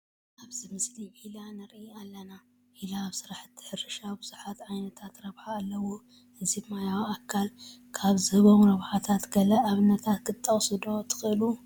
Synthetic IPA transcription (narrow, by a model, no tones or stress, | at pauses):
ʔaβzɨmɨsliilanɐɾialːɐna | ʔilaːβsɨɾaħɨt̪ʰːɨ̥ħɨɾɨʃabɨz̥uħat̪ʕajnɐt̪ʰat̪ɾɐβħaːlːɐwo | hɨzibmajawakʰːalkʰaβzɨhɨβomɾɐβħat̪ʰat̪ɡɐlɐʔaβɨnːɐt̪ʰat̪̚kʰɨt̪ʼːɐχʼsɨd̪o̞t̪ʰɨ̥xɨɨlu